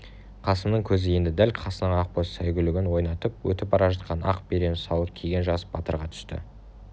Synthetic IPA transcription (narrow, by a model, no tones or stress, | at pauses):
qʰɑsəmnəɴkʲʰɵzɪje̞nd̪ɪd̪ælʲqʰɑsənəɴɑq̚bossæjɡʲʏlɪɡʲɪnwo̞jnɑt̪əp̚wɵ̰t̪ɪp̚bɑɾɑʒɑt̪̚qʰɑnɑqbeɾe̞nsɑlˠəp̚kʲʰejɡʲe̞nʒɑsəb̥ɑt̪ə̰ɾʁɑt̪ʰʏ̥st̪ɪ̰